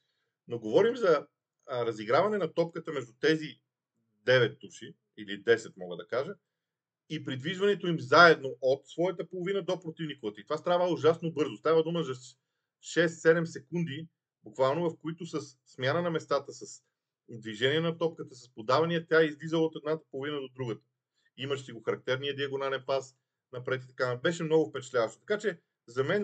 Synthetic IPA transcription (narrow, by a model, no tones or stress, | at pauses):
noɡovɔɾimzɐ | ɾɐziɡɾavɐnɛnɐt̪ɔp̚kət̪əmɛʒd̪ut̪ɛzi | d̪ɛvɛt̪ːuʃi | ilid̪ɛsɛt̪mɔɡəd̪ɐkaʒə | ipɾid̪viʒvɐnɛt̪oimzaɛd̪noʔot̪svɔjɐt̪əpolˠovinəd̪opɾot̪ivnikovət̪əit̪ovast̪ɾavəuʒasnobɤɾzʊst̪avəd̪uməzɐ | ʃɛst̪sɛd̪ɛmsɛkund̪i | bukvalˠnovɐfkoit̪ʊsɐsːmʲjanənɐmɛst̪at̪əsɐs | d̪viʒɛniɛnɐt̪ɔp̚kət̪əsɐspod̪avɐniət̪ʲjaizlizəlˠot̪ɛd̪nat̪ə̥polˠovinəd̪od̪ɾuɡət̪ə̥ | iməʃsiɡoxɐɾɐk̚t̪ɛɾniəd̪iɐɡonaɛnpas | nɐpɾɛt̪it̪ɐ̥kabɛʃɛmnɔɡʊfpɛt͡ʃɛ̥t̪lʲavəʃt̪o̥t̪ɐ̥kat͡ʃɛ | zɐmɛn